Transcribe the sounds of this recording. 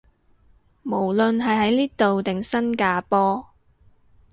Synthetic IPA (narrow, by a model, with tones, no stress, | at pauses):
mo˨˩wlɵ˨nɦɐ˨jɦɐ˨˥jliː˥t̪o˨wt̪ɪ˨ŋsɐ˥nkaː˧pɔː˥